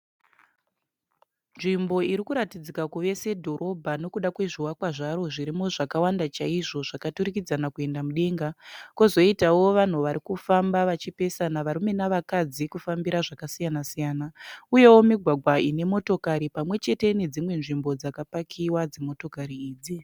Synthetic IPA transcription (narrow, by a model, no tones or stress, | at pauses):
nʐimbo̞iɾikuɾatid͡zikakuʋe̞se̞dʱo̞ɾʔo̞bʱano̞kuɗakwe̞ʐiwakwaʐaɾo̞ʐiɾimuʐakawandat͡ʃaiʐo̞ʐakatuɾikid͡zanakue̞ndamuɗe̞ːŋɡakozo̞itawo̞ʋan̤uʋaɾikufambaʋat͡ʃipe̞sanaʋaɾume̞naʋakad͡zikufambiɾaʐakasijanasijaːnauje̞wo̞miɡʱwaɡʱwaine̞mo̞to̞kaɾipamwe̞t͡ʃe̞te̞ne̞d͡zimwe̞nʐimbo̞d͡zakapakʰiwad͡zemo̞to̞kaɾiiːd͡zi